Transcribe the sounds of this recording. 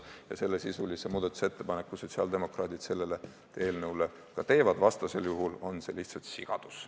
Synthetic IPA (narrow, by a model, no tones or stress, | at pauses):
jɑse̞lːe̞sisulisemuːd̪̥ɑt̪u̥set̪ːe̞pɑne̞kːˑuso̞t̪ʲsiɑld̪̥e̞mo̞krɑːt̪id̪̥se̞lːe̞le | e̞ːlnəule | kɑt̪e̞ːvɑd̪̥vɑst̪ɑse̞ljuɦulo̞nse̞liht̪sɑlt̪siɡ̥ɑ̰d̪̥us